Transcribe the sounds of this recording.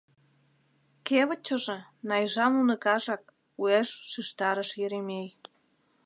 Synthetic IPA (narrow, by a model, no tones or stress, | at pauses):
keβə̆t͡ɕəʒĕnɑjʒɑnunə̆kɑʒɑk | ueʃːiʃt̪ɑɾəʃjeɾemej